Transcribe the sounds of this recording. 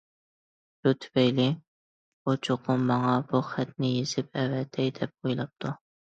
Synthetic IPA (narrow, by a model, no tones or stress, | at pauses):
but̪ʰy̥vɛjlɪ | ot͡ʃʰoqʊmmɑŋɑbuχæt̪̚nɪjez̥ɪp̚ɛvɛd̪ʰɛjd̪ɛp̚ojlˠɑp̚t̪ʰu